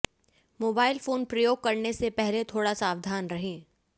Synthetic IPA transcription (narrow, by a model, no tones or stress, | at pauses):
moːbaːɪlfoːnpɾɐjoːɡ̚kɐɾnesepɛɦlet̪ʰoːɽasaːʋd̪ʱaːnɾɐɦẽː